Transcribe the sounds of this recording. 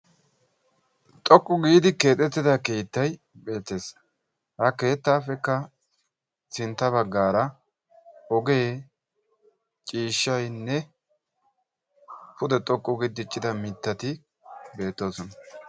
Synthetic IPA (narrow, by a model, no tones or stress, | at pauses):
t̪ʼɔkʼːʊɡiːd̪ɪke̞ːt̪ʼɛt̪ːɪd̪ɐkeːt̪ːɐj | be̞ːt̪ːe̞ːs | hɐke̞ːt̪ːaːfɛkːɐ | sɪnt̪ːɐbɐɡːaːɾɐ | ɔɡe̞ː | t͡ʃʼiːʃːɐjnːɛ | pʊd̪ɛt̪ʼɔkʼːʊɡid̪ɪt͡ʃʼːɪd̪ɐmɪt̪ːɐt̪ɪ | be̞ːt̪ːo̞ːsɔnɐ